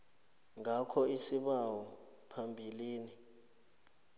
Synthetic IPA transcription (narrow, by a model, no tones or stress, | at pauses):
ŋakʰɔisiɓawɔ | pʰambʱiliːni